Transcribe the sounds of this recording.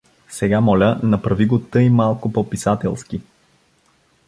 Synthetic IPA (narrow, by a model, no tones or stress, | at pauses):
sɛɡamɔlʲənɐpɾɐviɡot̪əimalˠkopɔpisat̪ɛ̰lˠsk̟i